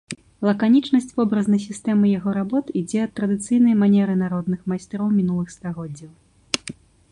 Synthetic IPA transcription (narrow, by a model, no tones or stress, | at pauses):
lˠɐkanʲit͡ʂnɐsʲt͡sʲvɔbɾɐznɐjs̬ʲist̪ɛmɨjaɣɔɾabɔt̪id͡zʲɛɐt̪ːɾɐd̪ɨt̪sɨjnɐjmanʲɛɾɨnaɾɔd̪nɨxmajsʲt̪ɾɔwmʲin̪ulˠɨxst̪aɣɔd͡zʲːɐw